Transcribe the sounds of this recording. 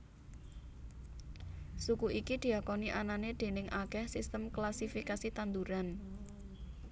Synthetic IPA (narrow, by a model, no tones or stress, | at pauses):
sukuʔikid̪̥i̤akoniʔananed̪̥e̤nɪŋʔakɛhsist̪əmklasifikasit̪and̪uɾan